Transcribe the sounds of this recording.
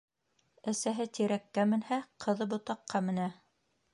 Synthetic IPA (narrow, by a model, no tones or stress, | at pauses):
æsæɦɘt̪iɾækːæmɘ̆nhæqʰɤ̆ðɤbŏt̪ɑqːɑmɘ̆næ